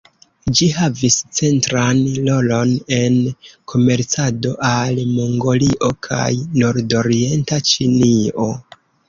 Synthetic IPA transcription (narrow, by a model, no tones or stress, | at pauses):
d͡ʒiɦavist͡se̞ntɾanlo̞lo̞ne̞nkʰo̞me̞ɾt͡sado̞ʔalmoŋɡo̞liʔo̞kʰa̰jnoɾdo̞ɾie̞ntat͡ʃinio̞